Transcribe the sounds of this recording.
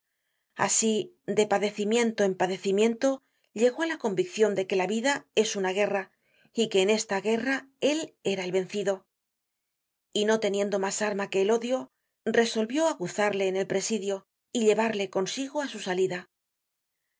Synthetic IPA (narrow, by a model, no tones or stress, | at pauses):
a̰si | d̪e̞paðe̞θimje̞nt̪o̞e̞mpaðe̞θimjẽ̞nt̪o̞ | ʎe̞ɣo̞alako̞mbikθjo̞nd̪e̞ke̞laβiðae̞sunaɣ̞e̞ra | ike̞ːne̞st̪aɣe̞rae̞le̞ɾaelβe̞n̟θiðo̞ | ino̞t̪e̞nje̞nd̪o̞masaɾmake̞ːlo̞ðjo̞ | re̞so̞lβjo̞aɣuθaɾle̞ːne̞lpɾe̞siðjo̞ | iʎe̞βaɾle̞ko̞nsiɣo̞asusaliða